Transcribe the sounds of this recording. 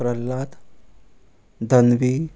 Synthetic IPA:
ɾəlːat̪ | d̪ʱənʋiː

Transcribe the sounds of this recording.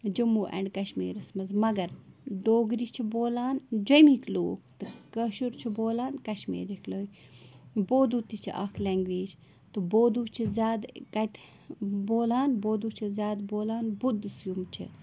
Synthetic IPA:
d͡ʒumuːʔɛ̰ɳɖkɐʃmḭːɾɐsmɐzmɐɡɐɾɖoːɡɾit͡ʃʰiboːlaːnd͡ʒomikʰloːkt̪ɨkɐʃuɾt͡ʃʰiboːlaːnkɐʃmḭːɾikloːi | boːd̪ut̪it͡ʃʰḭʔɐ̰kʰlɛːŋɡʋiːd͡ʒ | t̪ɨboːd̪ut͡ʃʰizʲjaːd̪kɐt̪ʰ | boːlaːnboːd̪uːt͡ʃʰizjaːd̪boːlaːnbud̪isjumt͡ʃʰḭ

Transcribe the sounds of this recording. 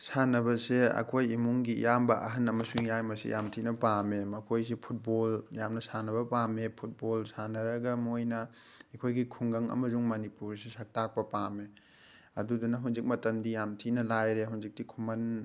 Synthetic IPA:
sanɐbɐseɐ̰kʰojimuŋɡijambɐʔɐ̰ɦɐnɐmɐsuŋjajmɐsḭjʔamtʰinɐpamemɐkʰojsipʰut̚boljamnɐsanɐbɐpamepʰut̚bolsanɐɾɐɡɐmojnɐekʰojɡikʰuŋɡɐŋɐ̰mɐzuŋmɐnipuɾsesɐk̚tak̚pɐpame | ɐ̰dudunɐɦunzik̚mɐtɐndijamtʰinɐlajɾeɦunzik̚tikʰumɐn

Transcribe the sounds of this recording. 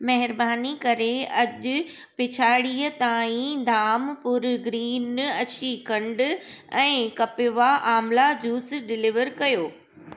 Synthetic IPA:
mɐɦɪɾbaːnikɐɾeɐʄʊ̆ | pɪt͡ɕʰaːɽijət̪aːĩd̪ʱaːmpʊɾɡɾiːnɐt͡ɕʰikɐ̃ɳɖɛ̃ːkɐpɪʋaʔaːmlad͡ʑuːsɖɪlɪʋəɾkɐjoː

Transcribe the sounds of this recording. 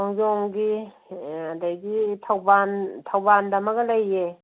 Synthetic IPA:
ɔŋjɔŋɡi | adajɡitʰawbantʰawbandɐmɐklajːe

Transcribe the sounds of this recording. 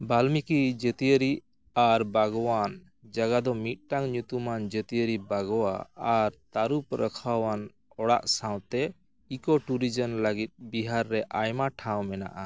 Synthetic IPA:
balmikid͡ʒət̪ijəɾi | aɾbaɡɔwan | d͡ʒaɡad̪ɔmit̪̚ˀʈaŋɲut̪umand͡ʒət̪iəɾibaɡɔwaːɾt̪aɾupɾəkʰawan | ɔɽa̰ʔsãw̃t̪ɛ | ikɔʈuɾid͡ʒənləɡit̪̚biɦaɾːɛʔajmaʈʰawmɛna̰ʔa

